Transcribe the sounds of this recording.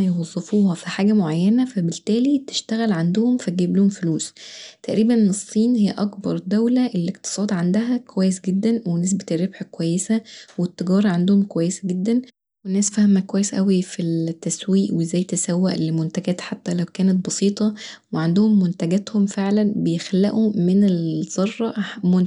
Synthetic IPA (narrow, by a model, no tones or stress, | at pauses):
jwɑzˤːefuːhɑfiħaːɡæmoʕajːænæfæbelt̪æːlit̪e̥ʃt̪æɣælʕand̪ohomfæt̪̚ɡeblohomfoluːst̪æʔɾiːbænesˤːiːnhejːæʔɑkbɑɾˤd̪æwlæʔelːekt̪ɨ̥sˤɑːd̪ʕand̪æɦækowæjːesɡed̪ːænwenes̬bet̪erːebħkwæjːesæwet̪ːeɡɑːɾˤɑʕand̪ohomkowæjːesæɡed̪ːæn | wenːæːsfæhmækowæjːesʔæwifit̪ːæswiːʔwezːæːjt̪esæwːæʔelmont̪æɡæːt̪ħat̪ːælæwkæːnæt̪̚bɑsiːt̪ˤɑweʕand̪ohomːont̪æɡæːt̪homfeʕlænbejexælːæʔumenelz̥ɑrˤːɑʔmon